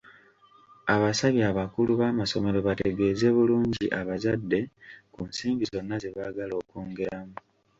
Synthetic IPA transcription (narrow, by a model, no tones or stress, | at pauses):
aβasaβjaːβakuluβaːmaso̞me̞ɾo̞βate̞ɡe̞ːze̞βuluːɲɟḭʔaβazadːe̞kunsiːmɡizo̞nːaze̞βaɡalo̞ːkuːŋɡeɾamu